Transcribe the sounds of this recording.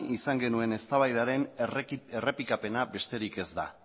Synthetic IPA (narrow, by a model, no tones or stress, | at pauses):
isaŋɡe̞nue̞ne̞st̪aβajðaɾe̞ne̞re̞pikape̞nabe̞st̪e̞ɾike̞zd̪a̰